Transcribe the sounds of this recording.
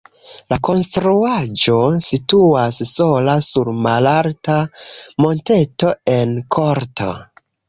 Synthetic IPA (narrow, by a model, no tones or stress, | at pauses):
lako̞nstɾuad͡ʒo̞situasso̞lasuɾmalaɾtamo̞nte̞to̞e̞nkʰo̞ɾtʰo̞̰